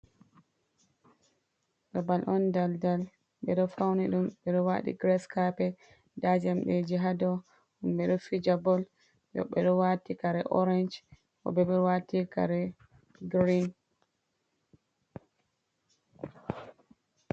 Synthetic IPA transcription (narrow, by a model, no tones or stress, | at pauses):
ɓabalʔɔndaldal | ɓɛɗɔfawniɗumɓɛɗɔwaɗḭɡɾɛskapɛ | dad͡ʒamɓed͡ʒiɦadɔ | umɓɛɗɔfid͡ʒabɔl | jɔ̰ɓɛɗɔwatikaɾɛʔɔɾand͡ʒ | kɔ̰bɛɓɛwatika̰ɾɛ | ɡɾin